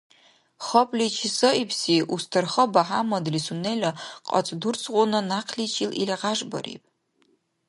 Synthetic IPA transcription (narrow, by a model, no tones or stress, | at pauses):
χɐpʼlit͡ʃʰisɐipʰsiʔustʰɨrχɐbaħamɐdlisunelʲɐqʼɐ̰t͡sʼdurt͡sʰʼʁʷʊnɐnaqʰlit͡ʃʰililʁaʐbɐ̰ɾḭpʼ